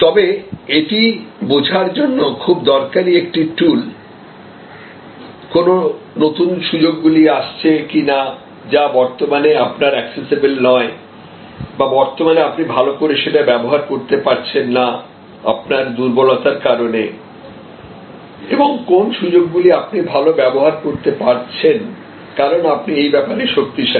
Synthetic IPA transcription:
t̪ɔbeeʈibod͡ʑʱaɾd͡ʑonːokʰubd̪ɔɾkaɾiekʈiʈul | kono | not̪unʃud͡ʑoɡːuliaʃt͡ɕʰekina | d͡ʑabɔɾt̪omaneapnaɾɛksesibelnɔe | babɔɾt̪omaneapnibʱalokoɾeʃeʈabɛboɦaɾkoɾt̪epaɾt͡ɕʰenːa | a̰pnaɾd̪uɾbolɔt̪aɾkaɾone | eboŋkonʃud͡ʑoɡːuliapnibʱalobɛboɦaɾkoɾt̪epaɾt͡ɕʰen | kaɾonapniejbɛpaɾeʃokt̪iʃa

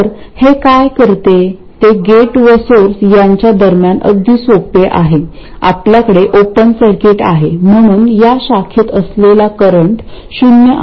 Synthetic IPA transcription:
ɾhekajkəɾt̪e | t̪eɡeʈʋesoɾsjaɲt͡ɕjad̪əɾmjanʔə̰d̪ʱisopeʔa̰ɦe | a̰p̪ljakəɽeʔopənsəɾkeʈa̰ɦem̤əɽ̃uːnjaɕakʰet̪əslelakəɾəɳʈ | ɕunjəʔ

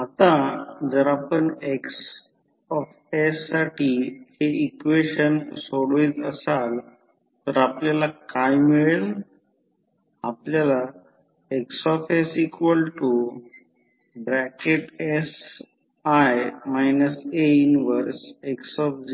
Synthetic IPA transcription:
at̪ad͡zəɾapəɳeks | ɔf | esːaʈiheikʋeɕənsoɽʋiːd͡zəsal | t̪əɾapljalakajmiɭeɭ | apljala | eksɔfesikʋəlʈu | bɾɛkeʈes | ajmajnəseinʋəɾseksɔfd͡z

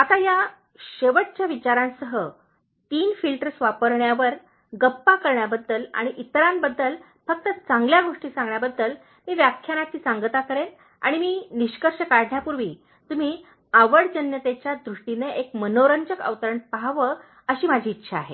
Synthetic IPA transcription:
at̪aja | ɕeʋəʈ̚t͡ɕjaʋit͡ɕaɾãnsəɦə | t̪iːnfilʈəɾsʋapəɾɳjaʋəɾ | ɡəpːakəɾɳjabəd̪ːəla̰ɽ̃iʔit̪ɾambəd̪ːəl | fək̚t̪ət͡saŋɡljaɡoʂʈiːsãŋɡɳjabəd̪ːəl | miːʋjakʰjanat̪iːt͡sãŋɡət̪akəɾe | a̰ɽ̃imiːniɕkəɾɕəkaɽɳjapuɾʋiː | t̪um̤iː | aʋəɽd͡ʑənjət̪et͡ɕjad̪ɾuʂʈineekmənoɾəɲd͡ʑəkə̰ʋt̪əɾəɳpaɦʋə | əɕiːmad͡ʑʱiːtːɕʰaːɦḛ

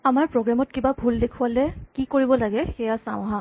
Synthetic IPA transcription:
amaɹpɹoɡɹamɔt̚kibabʱuldekʰʊalɛkikoɹibɔlaɡɛxɛjasaʊ̃ɦã

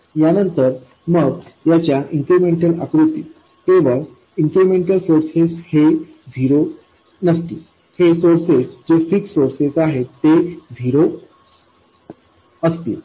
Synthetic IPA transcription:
janənt̪əɾ | məɡjat͡ɕjaʔiŋkɾemeɳʈəlakɾut̪ḭː | keʋəɭ | iŋkɾimeɳʈəlsoɾseshe | d͡zʱiɾo | nəst̪i | hesoɾsesd͡ʑefiksoɾsesaɦet̪ːed͡zʱiɾo | əst̪ḭ

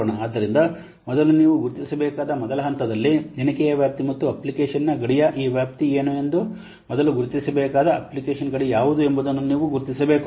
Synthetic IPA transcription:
ɳɐaːd̪ːɐɾind̪ɐ | mɔd̪ɐluniːʋuɡuɾt̪isɐbɛːkaːd̪ɐmɔd̪ɐlɐɦɐnt̪ɐd̪ɐlːininɐkɛjɐʋjaːp̚t̪imɐt̪ːuɐplikeːʂɐnnɐɡɐɽijɐʔiːʋjaːp̚t̪ieːnue̞nd̪u | mɔd̪ɐluɡuɾut̪isɐbɛːkaːd̪ɐɐ̰plikeːʃɐnɡɐɽijaːʋud̪uembud̪ɐnːuniːʋuɡuɾt̪isɐbeːk

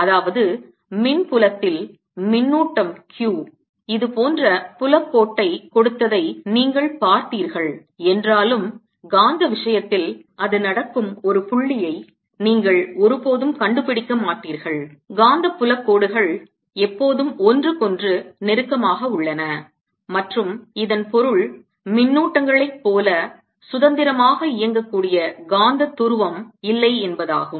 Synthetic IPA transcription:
ɐðaːʋɐðɯ | mɪnpʊlɐt̪ːɪl | mɪnːuːʈːɐmkjuː | ɪðɯpoːndrɐpʊlɐkːoːʈːɐɪkɔɽɯt̪ːɐðɐɪniːŋɡɐɭpaːɾt̪iːɾɣɐɭ | ɛndraːlɯm | ɡaːnd̪ɐʋɪʂɐjɐt̪ːɪlʔɐðɯnɐɽɐkːɯmɔɾɯpʊɭːɪjɐɪ | niːŋɡɐɭɔɾɯpoːðɯmkɐɳɖɯpɪɽɪkːɐmaːʈːiːɾɣɐɭɡaːnd̪ɐpːʊlɐkːoːɽɯɣɐɭ | ɛpːoːðɯmɔndrɯkɔndrɯnɛɾɯkːɐmaːɣɐʊɭːɐnɐ | mɐʈrɯmɪðɐnpɔɾɯɭ | mɪnːuːʈːɐŋɡɐɭɐɪpːoːlɐ | sʊðɐnd̪ɪɾɐmaːɣɐɪjɐŋɡɐkːuːɽɪjɐɡaːnd̪ɐt̪ːʊɾɯʋɐmɪlːɐɪɛnbɐða̰ːɣɯm

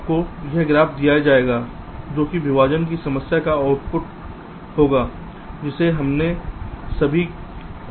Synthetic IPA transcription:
pkojɛɦɡɾaːpʰd̪ijad͡ʒaːeːɡaː | d͡ʒoːkibʱɪʋaːd͡ʒənk̬isɐməsjakaaːʊʈpʊʈ | hoːɡaː | d͡ʒɪseɦɐmnesɐbʱi

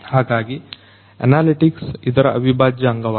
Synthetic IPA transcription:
haːɡaːɡi | ɐ̰naːliʈiksid̪ɐɾɐʔɐʋibaːd͡ʒjɐɐŋɡɐʋ

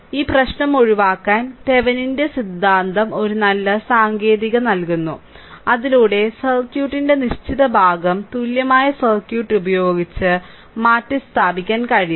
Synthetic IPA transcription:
iːprɐɕnɐmo̞ɻiʋaːkːaːnt̪e̞ʋɐninde̞sid̪ːaːnd̪ɐmo̞ɾunɐlːɐsaːŋɡe̞ːðiɣɐnɐlkunːu | ɐðiluːɽe̞sɐrkjuːʈːinde̞niɕt͡ɕiðɐbʱaːɡɐmt̪uːljɐmaːjɐsɐrkjuːʈːubɐjo̞ːɡit͡ɕːɨ | maːtːɨst̪ʰaːbikʲːaːnkɐɻij

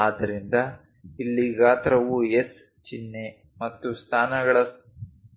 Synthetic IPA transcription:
aːd̪ːɐɾind̪ɐ | ilːiɡaːt̪ɐɾɐʋues | t͡ʃinːe | mɐt̪ːust̪ʰaːnɐɡɐɭɐ

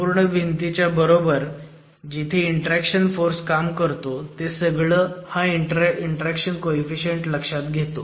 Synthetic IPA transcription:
uɾɳəʋint̪it͡ɕjabəɾobəɾ | d͡ʑit̪ʰeiɳʈɾækʂənfoɾskamkəɾt̪ot̪esəɡɭəːhaiʈiɳʈəɾækɕənkoifiɕəɳʈləkʂat̪ɡʱet̪o

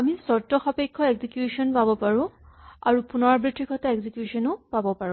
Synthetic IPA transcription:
amisɔtːɔxapekʰːɔeɡzikjusɔnpabɔpaɹʊ̃aɹupunɔɹbɹitʰɹikʰɔtaeɡzikjusɔnʊpabɔpaɹũ

